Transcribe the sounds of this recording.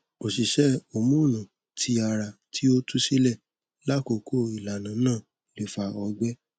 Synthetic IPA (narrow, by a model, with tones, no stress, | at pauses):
o˨si˨ʃɛ˦o˧mũ˦˨nũ˨ | tʰi˧˦a˧ɾa˧ | tʰi˦o˦tu˦si˦lɛ˦˨ | la˦ko˨˧kʰo˦˨i˨la˨nã˨˦nãː˦˨ | le˨fa˧ɔ˧˦ɡ͡bɛ˦